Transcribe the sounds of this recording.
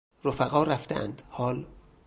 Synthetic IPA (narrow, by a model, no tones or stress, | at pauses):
ɾofæɣɒːɾæft̪ḛʔæ̰nd̪̥hɒːl